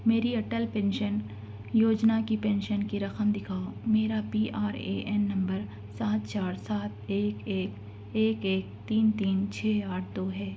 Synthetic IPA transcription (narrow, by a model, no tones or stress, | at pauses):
meːɾiɐʈəlpɛ̃ːnʃən | joːd͡ʒnakipɛ̃ːnʃənkiɾɐxəmd̪ɪkʰaːomeːɾapiːʔaːɾḛːʔɛnːɐ̃mbəɾ | saːt̪t͡ʃaːɾsaːt̪̚ʰeːkeːk | eːkeːk̚t̪iːnt̪iːnt͡ʃʰɛːaːʈʰd̪oːɦɛː